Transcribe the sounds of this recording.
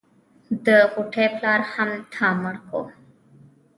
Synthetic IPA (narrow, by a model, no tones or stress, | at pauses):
d̪əɣʊʈʰeːpʰlaːɾhəmt̪ʰaːməɽko̰ː